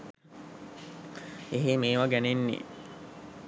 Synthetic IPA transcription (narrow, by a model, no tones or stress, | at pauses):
eɦemeːʋaɡænenːḛː